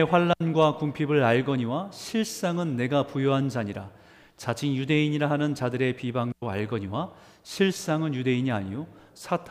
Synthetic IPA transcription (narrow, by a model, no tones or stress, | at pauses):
eɸwaɭːanɡwakumpʰibɯɭaɭɡʌɲiwaɕʰiɭs͈aŋɯnːe̞ɡapujoɦand͡ʑaɲiɾa | t͡ɕad͡ʑinjude̞iɲiɾaɦanɯnt͡ɕadɯɾe̞pibaŋd͡ʑoa̰ɭɡʌɲiwa | ɕʰiɭs͈aŋɯnjude̞iɲia̰ɲijosʰatʰ